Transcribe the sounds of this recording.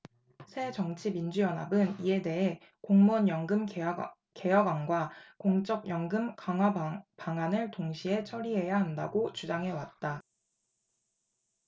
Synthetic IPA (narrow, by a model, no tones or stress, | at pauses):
sʰe̞t͡ɕʌŋt͡ɕʰimind͡ʑujʌnɦabɯnie̞de̞ɦe̞ | koŋmʌnjʌŋɡɯm | ke̞jʌɡwaŋɡwakoŋt͡ɕ͈ʌɡ̚jʌŋɡɯmkaŋwapaŋanɯɭtoŋɕʰie̞t͡ɕʰʌɾiɦe̞jaɦanda̰ɡot͡ɕud͡ʑaŋɦe̞wat̚t͈a